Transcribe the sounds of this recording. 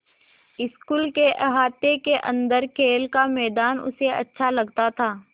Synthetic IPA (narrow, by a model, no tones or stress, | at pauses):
ɪskuːlkeʔɦaːt̪ekeʔə̰̃nd̪əɾkʰeːlkamɛːd̪aːnʊ̰seɐ̰tːʃʰalɐɡt̪at̪ʰaː